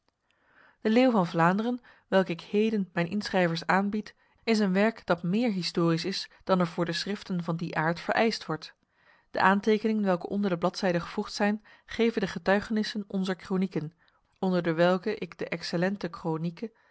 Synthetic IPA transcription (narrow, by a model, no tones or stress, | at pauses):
d̥əleːwvɑnvlaːndərən | ʋɛlˠkəɪkhejdənmɛjnʔɪnsrɛjvəɹsaːnbit | ɪs̬ənʋɛɹkd̥ɑtmɪːɹɦɪstʊːrisɪsd̥ɑnɛɹvʊːɹdəsrɪftənvɑndiʔaːɹtfəɹʔɛjstʋɔɹt | d̥ə̰ʔaːntejkənɪŋənʋɛlˠkəʔɔndəɹdəblɑtsɛjdəχəv̥uχtsɛjn | χejvəndəχətœɥχənɪsənɔnzəɹkronikən | ɔndəɹdəʋɛlˠkəʔɪɡdəʔɛksəlɛntəkronikə